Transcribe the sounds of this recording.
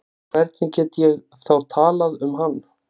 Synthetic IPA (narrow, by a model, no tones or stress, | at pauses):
kʰv̥ɛɾt̪nɪcɛːt̪ɪjɛɣ | θawɾ̥t̪ʰaːlaðʏmɦanː